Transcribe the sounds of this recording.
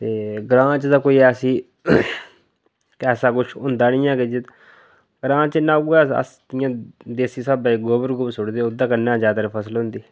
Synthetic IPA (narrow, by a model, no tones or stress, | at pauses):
t̪eːɡɾãːt͡ʃd̪aːkoːiːɛːsĩː | kɛːsaːkʊt͡ʃʰʊ̃nd̪aːnĩːãːkɪd͡ʒɪ | ɡɾãːt͡ʃnãːɡɛːə̰sd̪ɪjãːd̪eːsiːsaːbaɡoːbəɾɡobsʊɽd̪eːʊd̪ãːkənːãːzaːd̪aːɾipʰəsəlɦʊ̃nd̪iː